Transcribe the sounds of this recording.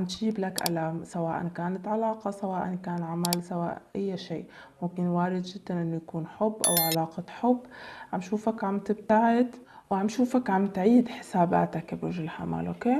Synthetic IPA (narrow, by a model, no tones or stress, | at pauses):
amt̪ʒiːblakʔa̰laːmsawaːʔa̰nkaːnat̪ʕalaːqɑsawaːʔankaːnʕamalsawa̰ːʔʔajːaʃḭːʔ | mʊmkɪnwaːɾɪd̪ʒɪd̪ːanʔɪnːʊjakuːnħʊbːʔa̰wʕalaːqɑħʊbːʕamʃuːfakʕamt̪ɪb̚t̪aʕɪd̪wʕamʃuːfakʕamt̪ʕiːd̪ħɪ̥saːba̰ːt̪akbɾʊʒɪlħa̰ma̰lʔoːkeː